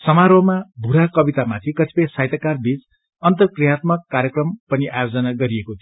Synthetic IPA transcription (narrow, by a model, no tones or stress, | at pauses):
sʌmaɾoɦmabʱuɾakʌbit̪amat̪ʰikʌsʰi̥pʌjsajt̪ʌkarbit͡s | ʌnt̪ʌkrijat̪mʌkːaɾjʌkrʌmpʌniʔajod͡zʌnaɡʌɾiekot̪ʰi